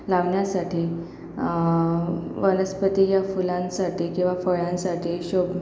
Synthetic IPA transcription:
laʋɳjasaʈiː | ʋələspət̪ijafulãnsaʈʰiːkĩw̃ʋafəɭãnsaʈʰiːɕob

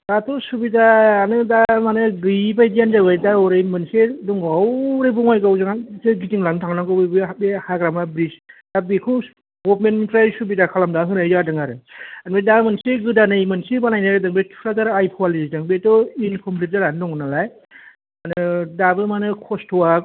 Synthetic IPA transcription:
d̥atɔsubidaːnɯdamanɯɡɯjp̬ajdijanzabɯjdaɔɾɯjmɯnsedɔŋɡawɾebɔŋajɡawzaŋatɯɡitiŋlantʰaŋnakɯbɯjbɯabehaɡɾamabɾisdabikʰɯ | ɡɔpmenpɾajsubidakʰalamdaɦɯnajzadɯŋaɾɯanbedamɯnseɡɯdanɯjmɯnsebanajnaɾɯdaŋbetʰɾazaɾajpʰɔalisdaŋbetɔinkʰɔmpʰlit̚zaɾanɯdɔŋɯnalaj | anɯdabɯmanɯkʰɔstʰɔwa

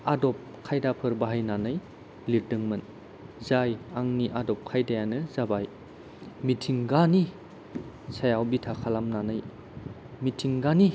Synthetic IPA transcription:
adɔp̚kʰajdapʰɯɾbaɦajnanaj | liɾdɯŋmɯn | zajaŋniʔadɔp̚kʰajdajanɯzabaj | mitʰiŋɡani | sajawbitʰakʰalamnanɯj | mitʰiŋɡani

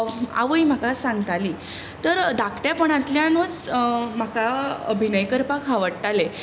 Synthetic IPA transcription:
a̰ʋəim̤akasãŋɡt̪aliː | t̪əɾd̪akʰʈjapəɳat̪ljãnot͡sm̤akaə̰bʱinəjkəɾpakʰɦaʋəɽʈale

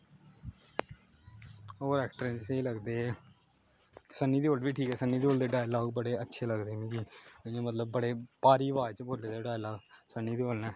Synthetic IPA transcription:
oːɾɛːkʈɾẽnseiːləɡd̪eː | sənːiːd̪ioːlʋiːʈʰiːkɛːsənːiːd̪iːoːld̪eːɖaːjlaːɡbəɽeːətːʃʰeːləɡd̪eːmĩːd͡ʒiːɪãːmət̪ləb̚ːəɽeːpaːɾiːʋaːt͡ʃboːleːd̪eɖaːjlaːɡsənːiːd̪iːoːlnɛː

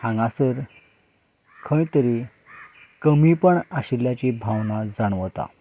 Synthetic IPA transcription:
hãŋɡãsəɾ | kʰə̃jt̪əɾi | kəmipəɳaɕiljat͡ɕibʱaʋnad͡zaɳʋət̪a̰

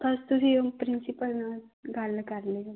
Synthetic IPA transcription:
t̪əst̪uɾipɾinsipəlna | ɡʱalːəkaɾle

